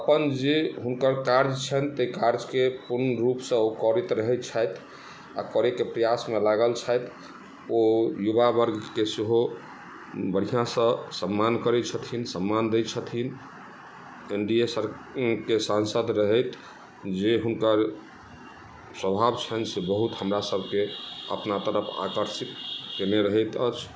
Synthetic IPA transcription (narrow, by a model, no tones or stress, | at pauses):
əpənd͡ʒeɦunkəɾkaɾd͡ʒt͡ʃʰənt̪əkaɾd͡ʒkepuɾnɾupsə̃okɔɾit̪ɾəɦɛt̪t͡ʃʰəjt̪ʰ | a̰kɔɾekepɾəjasmelaɡəlt͡ʃʰəjt̪ʰ | ojubabəɾɡkeseɦo | bəɽ̤ijãsə̃səmːankəɾɛt͡ʃʰət̪ʰinsəmːand̪et͡ʃʰət̪ʰin | eɳɖiesəɾ | kesãnsəd̪ɾəɦɛt̪ʰ | d͡ʒeɦunkəɾ | səbʱabt͡ʃʰənsebəɦut̪ɦəmɾasəbʱkeə̰pnat̪əɾəpʰa̰kəɾsit̪keneɾəɦɛt̪ət͡ʃʰ